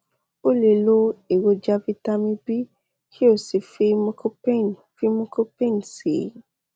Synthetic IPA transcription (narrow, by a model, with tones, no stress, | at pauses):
o˦le˨lo˧e˨wo˧d͡ʒa˧vi˧ta˧mĩ˧bi˦ | kʰi˦o˦˨si˨fi˧mũ˧kʰo˦pe˦˨n | fi˧mũ˧˦ko˦pẽ˦˨n˨sḭ˨˦